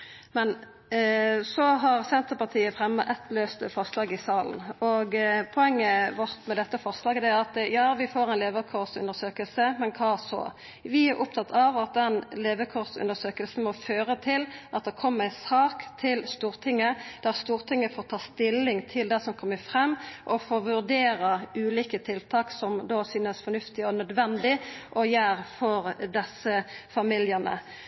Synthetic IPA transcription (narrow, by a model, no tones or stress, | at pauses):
mɛn | sɔɦɑʁsɛnt̪əʁpɑt̪ʰiːəfʁɛmːə̰ʔɛt̪løːst̪əfɔʁslɑːɡɪsɑːln̩ɔɡpʰɔɛŋːəʋɔʁt̪mɛd̪ɛt̪ːəfɔʁslɑːɡd̪ɛæʁɑt̪jɑːʋɪfoːɾæɪnleːʋəʁkʰɔʁsʉ̰nd̪əsøːkəlsəmɛnkʰɑːsɔ̰ | ʋɪæɾʔʊpt̪ʰɑt̪ːʰɑʋɑt̪̚d̪ɛnleːʋəkʰɔʁsʉ̰nd̪əsøːkəlsn̩mɔføːɾət̪ʰɪlʔɑt̪̚d̪ɛkʰɔmːəæɪsɑːkt̪ʰɪlst̪uːʁt̪ʰɪŋːəd̪̥æʁst̪uːʁt̪ʰɪŋːəfoːʁt̪ʰɑːst̪ɪlːɪŋt̪ʰɪld̪æsɔmkʰɔmːəfʁɛmːʔɔfoːʋʉʁd̪eːɾɑʉːliːkət̪ʰɪlt̪ʰɑːksɔmd̪oːsyːnəsfɔnʉft̪ɪɔnœd̪ʋɛnd̪ɪʔɔjæːɾfɔʁd̪ɛsəfɑmɪljənə̰